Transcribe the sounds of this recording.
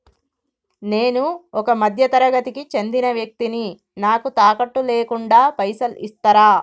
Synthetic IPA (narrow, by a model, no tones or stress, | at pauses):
neːnuɔkɐmɐd̪ʱjɐt̪ɐɾɐɡɐt̪ikit͡ʃe̞nd̪inɐʋjɐk̚t̪ini | naːkut̪aːkɐʈːuleːkuɳɖaːpɐjsɐlḭst̪ɐɾaː